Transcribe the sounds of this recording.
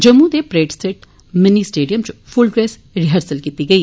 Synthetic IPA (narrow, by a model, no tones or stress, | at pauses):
d͡ʒəmːũd̪eːpɾeːʈsɪʈ | mɪniːsʈeːɖijəmt͡ʃpʰʊlɡɾɛːs | ɾɪɦəɾsəlkiːt̪iːɡəiː